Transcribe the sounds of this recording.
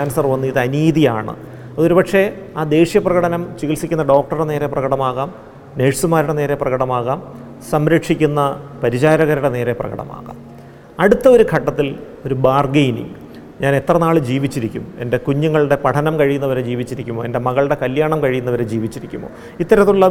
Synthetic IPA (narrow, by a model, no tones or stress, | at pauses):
aːnɐsɐrʋɐnːɨiðɐniːðijaːɳɨ̰ | ɐðɨo̞ɾupɐʈʂe̞aːd̪e̞ːʂijɐprɐɣɐɽɐnɐmt͡ɕiɣilsikʲːunːɐɖo̞ːk̚ʈɐruɽene̞ːɾe̞prɐɣɐɽɐmaːɣaːm | neːʂsumaːɾuɽe̞ne̞ːɾe̞prɐɣɐɽɐmaːɣaːm | sɐmɾɐkʂikʲːunːɐpɐɾit͡ɕaːɾɐɣɐɾuɽe̞neːɾe̞prɐ̰ɣɐ̰ɽɐ̰ma̰ːɣa̰ːm | ɐɽut̪ːɐo̞ɾuɡʰʱɐʈːɐt̪ːil | o̞ɾubaːrɡejnḭ | ɲaːnet̪rɐnaːɭɨd͡ʑiːʋit͡ɕːiɾikʲːume̞̰nde̞kuɲːuŋːɐɭɽe̞pɐʈʰɐnɐmkɐɻijunːɐʋɐɾe̞d͡ʑiːʋit͡ɕːiɾikʲːumoːe̞nde̞mɐɣɐɭɽe̞kɐljaːɳɐmkɐɻijunːɐʋɐɾed͡ʑiːʋit͡ɕːiɾikʲːumːo̰ː | it̪ːɐɾɐt̪ːuɭːɐ